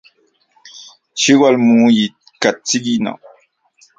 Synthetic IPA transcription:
ʃiwalmuji | kat͡siɡina̰w

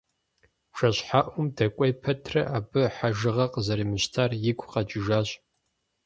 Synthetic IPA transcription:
ʃɐɕħaʔʷʊmdɐkʷʼɔjpʰɐtʰrɐʔaːbɨħaʒɨʁɐqəzɐɾiːmɨɕtʰaːrjɪkʷʼqɐt͡ʃʼɪʒaːɕʼ

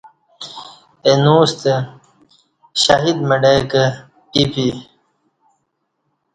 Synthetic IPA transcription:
enust̪e | ɕaɦid̪məɖekə | ipi

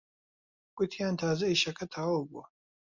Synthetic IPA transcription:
kʷʼʊt̪ʰijaːnt̪ʰaːzɐiʃɐkʰɐt̪ʰaːwbʷɔ̰

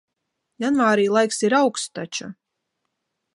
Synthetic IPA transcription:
janvaːɾiːlˠajksiɾawkst̪at͡ʃa

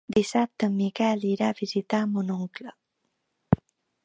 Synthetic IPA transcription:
d̪isap̚t̪əmikɛliɾaβizit̪aəmbunuŋklə

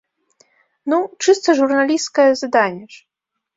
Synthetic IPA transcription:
nut͡ʂɨst̪ɐʐurnalʲiskɐjɐzad̪anʲːɛʂ

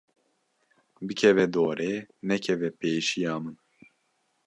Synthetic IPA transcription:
bɨkʰɛvɛd̪oːɾʔeːnɛkʰɛvɛpeːʃijɑːmɨn

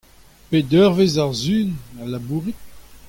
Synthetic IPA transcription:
ped̪œʁvezaʁzyːnalabuːʁit̪̚

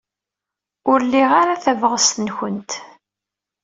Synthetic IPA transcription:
ʊɾlːiʁaɾaθævʁəst̪ənçənt̪

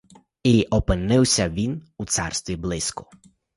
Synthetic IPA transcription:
iʔɔpɪnɪwsʲɐʋʲinut̪sɑrst̪ʋʲiblˠɪskʊ̥

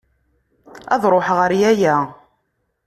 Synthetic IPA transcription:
ɑ̰ðˤɾˤoħʁəɾjæjæ

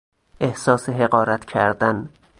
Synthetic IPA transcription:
ʔe̞hsɒːseɦe̞ɢɒːɾæt̪ʰcʰæɾd̪æn

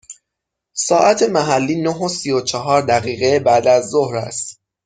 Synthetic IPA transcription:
sɒːʔæt̪ʰe̞mæɦælːiːnoɦosijot͡ʃʰɒɦɒːɾd̪æɣiːɣebæd̪æzːohɾæ̰st̪

